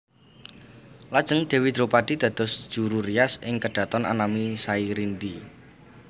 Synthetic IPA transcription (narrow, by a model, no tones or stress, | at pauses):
lad̥ʒ̥əŋd̪̥e̤wid̪ɾopad̥i̤d̪̥ä̤d̪̥ɔ̤sd̥ʒ̥uɾuriasɪŋkəɖ̥ä̤t̪ɔna̰namisaiɾint̪i